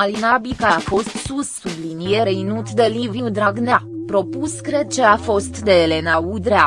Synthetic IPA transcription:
alinabikafo̞st̪susːublinijeɾeinut̪d̪e̞liviud̪ɾaɡnapɾo̞puskɾe̞d̪̚t͡ʃe̞afo̞st̪d̪eːle̞naud̪ɾea

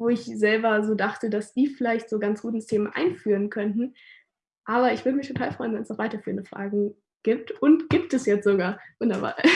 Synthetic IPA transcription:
voːɪçzɛlbɐzoːdaχtədasd̥iːfɪlaɪçtz̥oːɡant͡sɡ̥uːtn̩stʰeːmʔa̰ɪnfyːʁənkʰœntn̩ | ʔaːβɐɪçv̥ʏːɐdəmɪçtʰotʰaːlfʁ̥ɔʏnvɛnsnɔχvaɪtɐfyːʁəndəfʁ̥a̰ːɡŋ̩ | ɡ̥iːp̚tʊntɡ̥iːp̚tɛsjɛt͡stz̥oɡaːɐvʊndɐba̰ːɐ

